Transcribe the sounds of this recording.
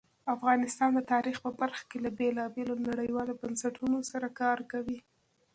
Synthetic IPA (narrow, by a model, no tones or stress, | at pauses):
afɣɑnɪst̪ɑnd̪ət̪ɑɾixpəbaɾxḁkelabelɑbelonaɽəjwɑlobansaʈʰunosaɾakɑɾkawi